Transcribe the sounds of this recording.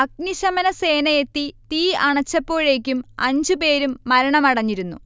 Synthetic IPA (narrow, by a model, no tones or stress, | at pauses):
ɐk̚niɕɐmɐnɐse̞ːnɐje̞t̪ːit̪iːɐɳɐt͡ɕːɐpːo̞ːɻe̞ːkʲːumɐɲd͡ʑɨpe̞ːɾumːɐɾɐɳɐmɐɽɐɲːiɾunːu